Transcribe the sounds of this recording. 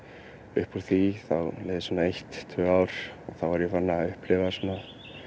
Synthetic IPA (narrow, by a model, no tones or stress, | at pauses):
ʏhpuɾθiθawlejðɪsvɔnaejht̪ʰːʏːawɾ̥ɔθawvaɾjɛfanːaaʏhplɪvasɔnːa